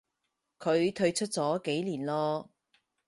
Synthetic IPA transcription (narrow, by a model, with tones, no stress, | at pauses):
kʰɵ˨˧ɥt̪ʰɵ˧ɥt͡ʃʰɵ˥t̚t͡sɔː˨˥ke˨˥jliː˨˩nlɔː˧